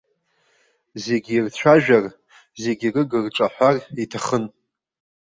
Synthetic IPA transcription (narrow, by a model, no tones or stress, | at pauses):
zeɡʲːrt͡ɕʷʰaʒᶣar | zeɡʲirɨɡɨrʈ͡ʂʼaħʷaritʰaχən